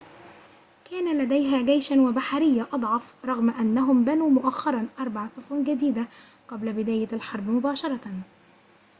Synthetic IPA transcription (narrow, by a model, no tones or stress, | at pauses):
kæːnalad̪ajɦaːɡajʃanwabaħaɾɪjːaʔɑd̪ˤʕɑfɾˤɑɣmaʔanːaɦʊmbanuːmʊʔaxːɑɾˤɑnʔɑɾˤbɑʕsˤʊfuːnɡad̪iːd̪a | qɑblabɪd̪æːjaalħɑɾˤbmʊbaːʃɑɾˤɑ